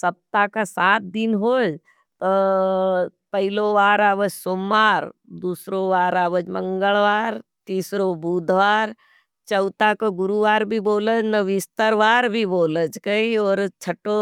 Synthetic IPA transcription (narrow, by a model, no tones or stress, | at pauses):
sɐp̚t̪akasaːt̪̚d̪ɪnɦoːd͡ʒ | t̪o | pɐɦɪloʋaːɾaːʋəd͡ʒsoːmːaːɾd̪uːsɾoʋaːɾaːʋəd͡ʒmə̃ŋɡəɭʋaːɾt̪iːsɾobuːd̪ʱʋaːɾ | t͡ʃəʊt̪akoɡʊɾuʋaːɾbʱiboːləd͡ʒnɐʋɪst̪əɾʋaːɾbʱiboːləd͡ʒkəiɔːɾt͡ʃʰəʈo